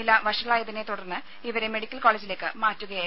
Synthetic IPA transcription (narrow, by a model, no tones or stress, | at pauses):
ilːɐʋɐʂɐɣɐɭaːjɐðine̞t̪uɽɐrnːɨ | iʋɐɾe̞me̞ɽikʲːɐlkoːleːd͡ʑile̞ːkːɨmaːtːuɣɐjaː